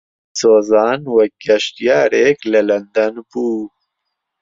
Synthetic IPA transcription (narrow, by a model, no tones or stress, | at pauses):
soːzaːnwɐk̚ːɐʃtijaːɾeklɐlɐnd̪ɐnbuː